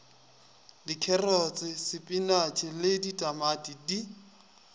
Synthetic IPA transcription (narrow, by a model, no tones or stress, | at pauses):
dikʰɛrɔt͡sʼɪsɪpʼinat͡ʃʰʼɪlɪditʼamatʼidi